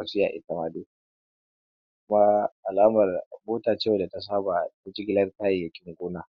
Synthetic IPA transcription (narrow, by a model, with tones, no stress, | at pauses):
a˨sɪ˦ja̰ː˨ʔɪ̰˦tɐ˨maː˦do˦ | kʷʊ˦ma˦ʔa˨laː˦mɐ˨rmoː˦taː˨t͡ʃeː˦wda˨ta˨s̬aː˦ba˨bʊ˦t͡ʃɪ˦ɡʲɪ˦lɐ˦rtaː˦ji˨jɐ˨kʲɪ˦ŋɡʷoː˦na˦˨